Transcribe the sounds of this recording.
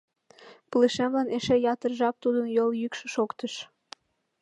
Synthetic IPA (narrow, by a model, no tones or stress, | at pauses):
pələʃemlɑneʃejɑt̪ərʒɑp̚t̪ud̪ənjoljykʃĕʃokt̪əʃ